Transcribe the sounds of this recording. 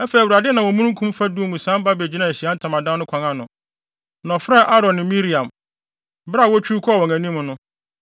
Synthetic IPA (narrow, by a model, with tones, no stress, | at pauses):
ɛ˦fɛ˨wɾa˨dɪ˦nã˨wɔ̃˨mũ˦ũ˦kʰũ˦m˦fa˦du˦o˦˨ŋũ˨sã˦m˦ba˦bɛ˨d͡ʑi˦nã˨e˨ɕi˨a˦n̩˦tʰã˨mã˨dã˦nʊ̃˦kʰã˨ŋã˦nʊ̃˨ | n˨ɔ̃˨fa˦ʔa˦ɾɔ̃˨nɪ̃˨mĩ˦ɾi˨ã˨m | bɾa˦˨wɔ˦t͡ɕʰᶣu˦kʰɔ˦˨wɔ̃˨æ̃˨nĩ˦mʊ̃˨nʊ̃˦